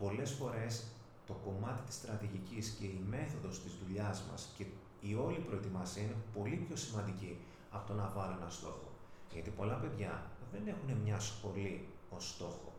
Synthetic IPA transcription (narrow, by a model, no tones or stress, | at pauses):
po̞le̞sfo̞ɾe̞s | t̪o̞ko̞mɐt̪i̥t̪i̥st̪ɾɐt̪iʝicisce̞ime̞θo̞ðo̞st̪izðuʎɐzmɐ̰sce̞ | io̞lipɾo̞e̞t̪imɐsiɐinepo̞lipço̞simɐnd̪ici | ɐft̪o̞nɐvɐluenɐst̪o̞xo̞̰ʝɐt̪ipo̞lɐpe̞ðʝɐðe̞ne̞xune̞mɲɐsxo̞li | o̞st̪o̞xo̞̰